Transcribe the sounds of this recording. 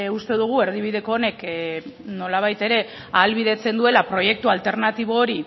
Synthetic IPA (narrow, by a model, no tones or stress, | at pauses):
ust̪e̞ðuɣ̞ue̞ɾðiβ̞iðe̞ko̞ːne̞k | no̞laβ̞ajt̪e̞ɾe̞ | alβið̞e̞t͡se̞nd̪ue̞lapɾo̞je̞k̚t̪ualt̪e̞ɾnat̪iβ̞o̞ːɾi